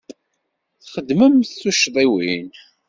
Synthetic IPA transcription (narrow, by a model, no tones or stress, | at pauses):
θχəd̪ːməmθθuʃðˤiwin